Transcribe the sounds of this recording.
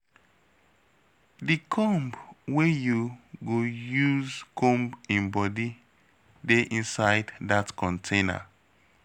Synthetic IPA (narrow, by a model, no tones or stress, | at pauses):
dikʰɔ̃mbwejuɡojuzkʰɔ̃mbĩnbɔdi | deʔĩnsaɪddatkʰɔ̃ntʰẽna̰